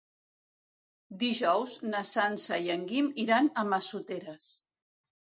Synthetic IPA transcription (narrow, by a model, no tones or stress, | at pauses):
d̪iʒɔwznəsansəjəŋɡimiɾanəməsut̪eɾəs